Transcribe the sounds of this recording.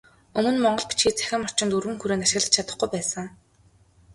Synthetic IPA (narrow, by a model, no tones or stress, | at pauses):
ɵmɵ̆nmɔɴɢɞ̆ɮpi̥t͡ɕxiːk̚t͡sæ̥xʲɪ̆mɔr̥t͡ɕɪnt̪uɾwɘ̆ŋxuɾeːnaʃɪ̆ɣɮə̆t͡ɕt͡ɕʰat̪ə̆χɡujpæːsə̆ŋ